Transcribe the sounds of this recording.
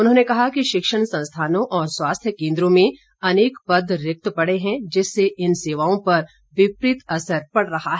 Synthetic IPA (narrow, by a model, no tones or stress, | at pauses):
ʊnɦõːnekɐɦakiʃɪkʃəɽsɐ̃nst̪ʰaːnõʔɔːɾswaːst̪ʰjəkẽːnd̪ɾõmẽ | ɐneːkpɐd̪ʱɾɪk̚t̪pɐɽeɦɛ̃d͡ʒɪsːeʔɪnseːʋaːõpɐɾ | ʋɪpɾɪt̪ɐsəɾpɐɽɾɐɦaɦɛː